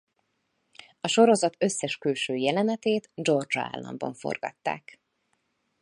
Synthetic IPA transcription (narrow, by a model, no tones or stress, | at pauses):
ɒʃo̞ɾo̞zɒt̪ø̞sːɛʃkylʃøːjɛlɛnɛt̪eːt̪d͡ʒo̞rd͡ʒa̰ːlːɒ̰mbɒɱfo̞̰rɡɒ̰t̪ːa̰ːk